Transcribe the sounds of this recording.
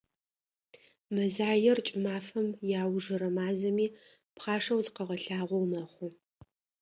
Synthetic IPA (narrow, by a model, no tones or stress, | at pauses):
mɐzaːjɛrt͡ʃʼɪmaːfɐmjaːwʐɨɾɐmaːzɐmiː | pχɑːʂɐwzqɐʁɐɬaːʁʷɔwmɐχʷʊ